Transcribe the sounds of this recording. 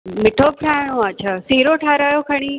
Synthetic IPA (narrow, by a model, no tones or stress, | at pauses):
mɪʈʰoːpʈʰaːɽ̃õat͡ɕʰasiːɾoʈʰaːɾaːjokʰəɽ̃iː